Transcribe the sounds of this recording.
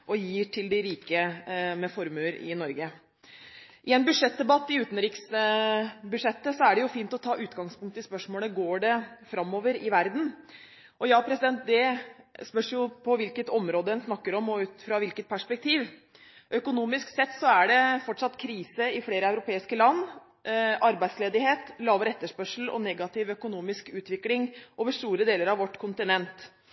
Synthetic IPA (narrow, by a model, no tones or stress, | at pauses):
ʔɔjiːʈʰɪld̪ɪɾiːkəmɛfɔɾmʉləɾɪ̰nɔɾɡə | ʔɪɛnbʉʂɛt̪̚d̪ɛbɑt̪ːɪʉːt̪n̩ɾɪks | bʉʂɛt̪ːəsɔæɖɛjʊfiːnt̪ɔt̪ʰɑːʔʉːt̪ɡɑŋspʰʊŋk̚t̪əɪspœʂmoːləɡoːɖɛfɾɑmːoːʋəɾɪʋæɾd̪n̩ | ʔɔjɑːpʰɾɛsɪd̪ɛnt̪̚d̪ɛspœʂjʊpʰɔʋɪlkət̪ɔmɾoːd̪əɛnsnɑkːəɾɔmɔʉːt̪fɾɑʋɪlkət̪̚pʰæʂpɛk̚t̪ʰiːʋ | ʔœkʊnuːmɪsksɛt̪ːsɔæɖɛfɔʈːʂɑt̪ːkʰɾiːsəɪfleːɾəɑʉɾʊpʰeːɪskəlɑnː | ʔɑɾbæɪd̪sleːd̪ɪheːt̪lɑːʋəɾɛt̪ːəʂpœʂl̩ɔ̰nɛɡɑt̪ɪʋœkʊnuːmɪskʉːt̪ʋɪklɪŋoːʋəʂt̪uːɾəd̪eːləɾɑʋɔʈːkʰʊnt̪ɪnɛnt̪